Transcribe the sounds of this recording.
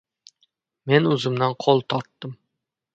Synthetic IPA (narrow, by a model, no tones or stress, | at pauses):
menɵzɪmd̪anqʰolˠt̪ʰɒɾt̪ːɨm